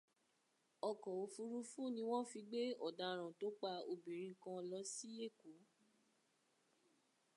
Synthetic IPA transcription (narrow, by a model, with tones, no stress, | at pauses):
ɔ˧˨kɔ̃˨o˨˧fu˧ɾu˧˦fũ˦˨nĩ˧w̃ɔ̃˦fi˧ɡ͡be˦ɔ˦˨da˧ɾ̃ã˨to˨˦k͡pa˧o˧˨bĩ˨ɾ̃ĩ˧kã˧lɔ˧˦si˦je˦˨ko˨˦